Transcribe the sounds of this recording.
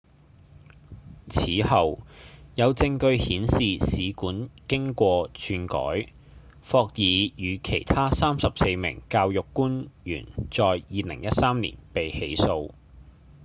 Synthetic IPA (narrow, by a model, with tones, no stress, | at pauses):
t͡sʰiː˨˥hɐ˨wjɐ˨˧wt͡sɪ˧ŋkɵ˧ɥhiː˨˥nsiː˨siː˨˧kuː˨˥nkɪ˥ŋkʷɔː˧t͡ʃʰyː˧nkɔ̰ː˨˥j | fɔː˧k̚jiː˨˧jyː˨˧kʰe˨˩jt̪ʰaː˥saː˥msɐ˨pse˧jmɪ̰˨˩ŋkaː˧wjʊ˨kːuː˥njy̰ː˨˩nt͡sɔː˨jjiː˨lɪ̰˨˩ŋjɐ˥t̚saː˥mnḭ˨˩npe˨jhe˨˥jso˧w